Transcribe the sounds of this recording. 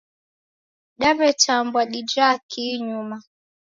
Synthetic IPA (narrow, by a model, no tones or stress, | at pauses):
ɗaβɛtambwaɗid͡ʒakʰiɲuma